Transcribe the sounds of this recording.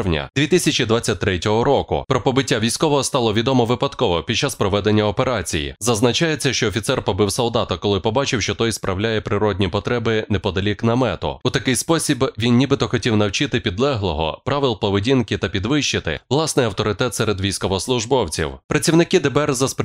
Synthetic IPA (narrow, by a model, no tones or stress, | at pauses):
wnʲɐ̰d̪ʲʋʲit̪ɪsʲɐt͡ʃid̪ʋat͡sʲːɐt̚ʲt̪ɾɛtʲɔɦɔɾɔkʊ̰pɾɔpɔbɪtʲːaʋʲijsʲkɔʋɔɦɔst̪ɑlˠɔʋʲid̪ɔmɔʋɪpɐd̪kɔʋɔpʲid̪̚t͡ʃːaspɾɔʋɛd̪enʲːɐɔpeɾɑt͡sʲḭjḭzɐznɐt͡ʃajet͡sʲːɐʃt͡ʃɔːfʲit̪sɛrpɔbɪwsɔlˠd̪ɑt̪ɐkɔlˠɪpɔbɑt͡ʃɪwʃt͡ʃɔt̪ɔjspɾʔɐwlʲajɛpɾɪɾɔdʲnʲipɔt̪ɾɛbɪnɛpɔd̪ɐlʲiknɐmɛt̪ɔ̰ut̪ɐkɪjspɔsʲibʋʲinʲibɪt̪ɔxɔtʲiwnɐwt͡ʃɪt̪ɪpʲid̪lˠɛɦlˠɔɦɔ̰pɾɑʋɪlˠpɔʋedʲinkɪt̪ɐpʲid̪ʋɪʃt͡ʃɪt̪ɪ̰ʋlˠɑsnɪjɐwt̪ɔɾɪt̪ɛt̪sɛɾed̪ʋʲijsʲkɔʋɔslˠʊʒbɔwt͡sʲḭwpɾɐt͡sʲiwnɪkɪd̪ɛbɛrzɐsp